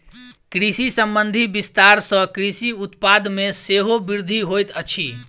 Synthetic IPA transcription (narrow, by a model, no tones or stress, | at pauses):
kɾisisəmbənd̪ʱibist̪aɾsə̃kɾisiut̪pad̪meseɦobiɾd̪ʱiɦojt̪ət͡ʃʰi